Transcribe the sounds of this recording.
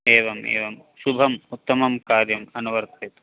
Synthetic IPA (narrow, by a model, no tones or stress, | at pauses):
eːʋɐmḛːʋɐm | ʃubʱɐmut̪ːɐmɐmkaːɾjɐmɐnuʋɐɾt̪ʰit̪